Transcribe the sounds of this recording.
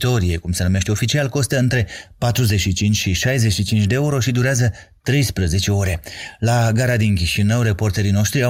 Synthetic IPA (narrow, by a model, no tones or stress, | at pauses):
t̪o̞ɾie̞kumsənume̞ʃt̪eo̞fit͡ʃialko̞st̪əɨnt̪ɾe̞pat̪ɾuze̞t͡ʃʃit͡ʃint͡ʃʲʃiʃajze̞ʃit͡ʃint͡ʃʲd̪eeuɾo̞ʃid̪uɾeazə | t̪ɾe̞jspɾəze̞t͡ʃe̞o̞ɾe̞laɡaɾad̪inkʲiʃinəwɾe̞po̞rt̪eɾino̞ʃt̪ɾia